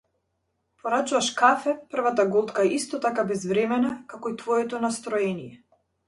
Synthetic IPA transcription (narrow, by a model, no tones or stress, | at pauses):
pɔɾat͡ʃuvaʃkafɛpr̩vat̪aɡɔlˠt̪kaɛʔist̪ɔt̪akabɛzvɾɛmɛnakakɔit̪vɔjɛt̪ɔnast̪ɾɔɛnijɛ